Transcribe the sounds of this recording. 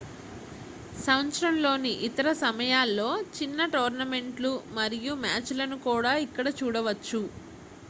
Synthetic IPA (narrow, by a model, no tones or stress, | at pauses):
sɐwnt͡ʃɾɐmlo̞ːniʔit̪ɐɾɐsɐmɐjaːlːo̞ːt͡ʃinːɐʈoːɾnɐme̞ɳʈlumɐɾijumaːt͡ʃlɐnukuːɽaːikːɐɽɐt͡ʃuːɽɐʋɐt͡ʃːu